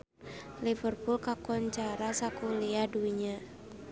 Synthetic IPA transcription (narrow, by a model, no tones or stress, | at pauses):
lifərpulkakɔɲt͡ʃaɾasakuliaduiɲa